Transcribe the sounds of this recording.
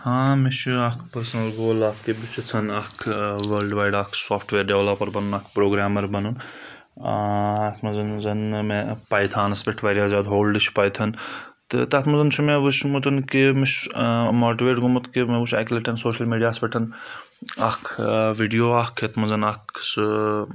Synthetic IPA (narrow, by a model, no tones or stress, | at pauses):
hãːmit͡ʃʰuɐkʰpɐɾsɐnɐlɡoːlaːkebut͡ʃit͡sʰɐnɐkʰʋɐːlɖʋaːjɖaːkʰsaːfʰʈʰʋeːɾɖeʋlopɐɾbɐnunɐkʰpɾoːɡɾaːmɐɾbɐnun | ɐt̪ʰmɐzɐnzɐnmepɐjt̪ʰaːnɐspʲɐʈʰʋɐɾʲjaːzʲaːd̪ɦoːlɖɨt͡ʃʰpɐjt̪ʰɐnt̪ɨ̰t̪ɐt̪ʰmɐnzɐnt͡ʃʰumeʋut͡ʃʰmut̪ɐnkemit͡ʃʰmoːʈiʋeːʈɡumɐt̪kemeʋuʃɐkleʈʰɐnsoːʃɐlmiːɖijaːspʲeʈʰɐn | ɐkʰʋiɖijoːaːkʰet̪ʰmɐnzɐnɐkʰs